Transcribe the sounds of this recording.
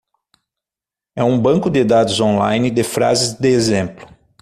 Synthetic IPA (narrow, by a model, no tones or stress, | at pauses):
ɛũbɐ̃ŋkʊd̪ɪd̪ad̪ʊzõlajnɪd̪ɪfɾa̰zɪzd̪ɪezẽmplʊ̥